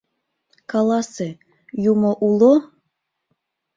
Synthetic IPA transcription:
kɑlɑse | jumoʔulo

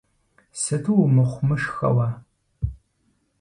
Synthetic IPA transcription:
sɨtʰuwmɨχʷʊmɨʂxɐ̰wa

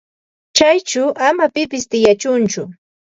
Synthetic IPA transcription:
t͡ʃajt͡ʃʊʔamapɪpɪst̪ɪjat͡ʃʊnt͡ʃʊ

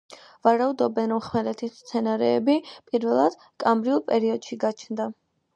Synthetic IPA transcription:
vaɾaud̪ɔbɛnɔmχmɛlɛt̪ʰisst̪sʰɛnaɾɛːbipʼiɾvɛlˠad̪̥ | kʼamɾiulˠpʼɛɾiɔd̪̥ʃiɡat͡ʃʰnd̪a

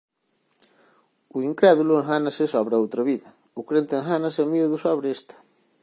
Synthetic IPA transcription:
uiŋkɾɛðulʊeŋɦanɐsɪsɔβɾɐowt̪ɾɐβiðɐ | ukɾent̪eŋɦanɐsemiuðusɔβɾeest̪ɐ̥

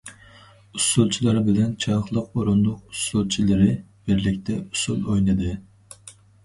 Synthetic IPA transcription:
usulˠt͡ʃʰilˠɑɾbɪlɛnt͡ʃʰɑχlˠəqoɾund̪ʊqusulˠt͡ʃʰilɪɾɪb̥ɪɾlɪk̚ʲt̪ʰɛusulˠojnɨd̪ɨ

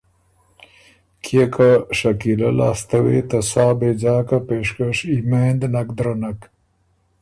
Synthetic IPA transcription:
kʰekʰaʂɐkilala̰ːst̪ɐwḛt̪asaːbed͡ʑaːkapeʂkəʂimeːnd̪nakd̪ɾanak

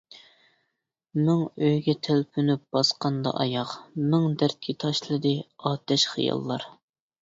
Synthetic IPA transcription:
mɪŋøjɡʲɛt̪ʰelpʰynyp̚b̥ɑsqɑnd̪ɑ̰ʔɑjɑqmɪŋd̪æɾt̪̚kʲʰit̪ʰɑʃlˠɨd̪ɨɑːt̪ʰɛʃχḭjɑ̰lˠːɑɾ

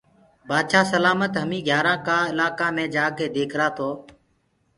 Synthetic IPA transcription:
baːd̪ʃaːsəlaːmət̪ɦəmĩːɡʱjaːɾãːkaːɪlaːkaːmẽːd͡ʒaːɡeːd̪eːkʰɾaːt̪ʰoː

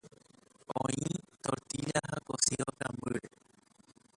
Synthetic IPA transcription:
õĩt̪oɾt̪iʎahakosiok̪ãmbɨɾe

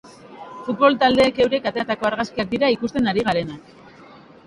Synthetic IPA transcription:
fut̪̚βo̞lt̪ald̪e̞ːke̞wɾe̞kat̪at̪ako̞aɾɣaskiak̚d̪iɾaikust̪e̞naɾiɣaɾe̞nak

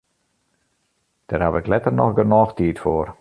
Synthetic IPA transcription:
d̥ɛrhaʋɪklɛtərnɔxɡənɔːxtiːtfoːr

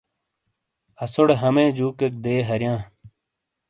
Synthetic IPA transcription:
ɐsoɽeɦɐmẽːd͡ʑuːkek̚d̪eːɦɐɾjãː

